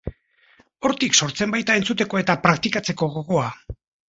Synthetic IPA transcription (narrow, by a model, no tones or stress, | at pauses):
o̞ɾt̪ikso̞ɾt͡se̞mbajt̪ae̞nt͡sut̪̬e̞ko̞e̞t̪apɾak̚t̪ikat͡se̞ko̞ɣo̞ɣo̞a